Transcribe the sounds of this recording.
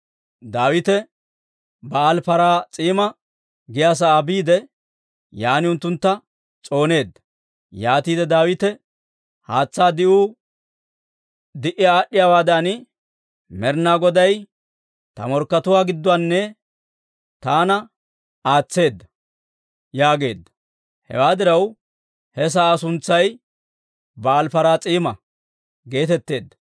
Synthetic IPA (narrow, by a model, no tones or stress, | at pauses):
d̪aːwɪt̪ɛ | bɐːlpɐɾaːt͡sʼiːmɐ | ɡɪjaːs̬ɐaːbiːd̪ɛ | jaːnɪʊnt̪ːʊnt̪ːɐ | t͡sʼo̞ːne̞ːd̪ːɐ | jaːt̪iːd̪ɛd̪aːwɪt̪ɛ | haːt͡sːaːd̪ɪʔuː | d̪ɪʔɪjaːɗːɪjaːwaːd̪ɐn | mɛɾnaːɡɔd̪ɐj | t̪ɐ̰mɔɾkːɐt̪ʊwaːɡɪd̪ːʊanːɛ | t̪aːnɐ | aːt͡sːe̞ːd̪ːɐ̥ | jaːɡe̞ːd̪ːɐ̥ | hɛ̰waːd̪ɪɾɐw | hɛs̬aːsʊnt͡sːɐj | bɐːlfɐɾaːt͡sʼiːmɐ | ɡe̞ːt̪ɛt̪ːe̞ːd̪ːɐ̥